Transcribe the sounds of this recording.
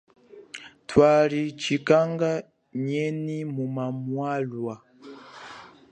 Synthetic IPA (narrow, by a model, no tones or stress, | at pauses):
twalit͡ʃikaŋɡa | ɲɛnimumamwalwa